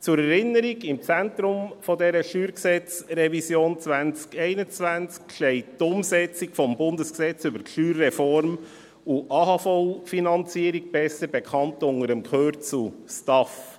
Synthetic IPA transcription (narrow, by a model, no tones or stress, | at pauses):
t͡suɾɛɾɪnːəɾiɡɪmt͡sæntɾʊmfɔdɛɾəʃyːɾksɛt͡srɛvisjoːnt͡sʋænt͡skɛɪnət͡svænt͡skʃɛɪttʊmsɛt͡siɡfɔmbʊndəsksɛt͡sybəɾʃyːɾːɛfɔɾm | uʔɑhɑfɔlfinɑnt͡siːəɾiɡ̚b̥ɛsəɾbɛkʰɑntʊŋəɾəmkʰøːɾt͡sustɑf